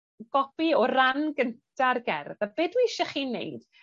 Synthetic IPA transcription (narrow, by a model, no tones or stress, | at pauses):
ɡ̥ɔpiɔranɡəntʰarɡɛ̰rðabeːdwiɪʃɛχiːnːḛjd̥